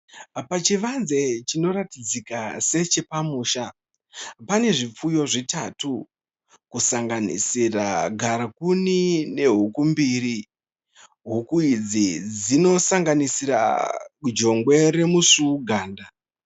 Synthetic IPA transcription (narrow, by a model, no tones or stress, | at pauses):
pat͡ʃiʋanze̞t͡ʃino̞ɾatid͡zikase̞t͡ʃe̞pamuːʃa | pane̞ʐip͡fujo̞ʐita̰tu | kusaŋɡanḭsira̰ɡʱaɾakunine̞ɦukumbiɾi | ɦukuid͡zid͡zino̞saŋɡanisiɾa̰d͡ʒo̞ŋɡwe̞ɾe̞musuuɡʱaːnda